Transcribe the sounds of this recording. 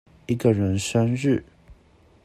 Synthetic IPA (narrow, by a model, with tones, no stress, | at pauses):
i˧˥ɡə˨ɻə˧˥nʂə˥nɻ̩˥˩